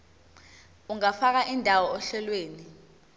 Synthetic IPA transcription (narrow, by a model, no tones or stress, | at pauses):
uŋafak̬aʔindʱawɔɔɬɛlweːni